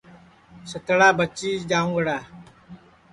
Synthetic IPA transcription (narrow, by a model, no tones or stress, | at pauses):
sət̪əɽaːbət͡ʃiːd͡ʒaːũːɡəɽaː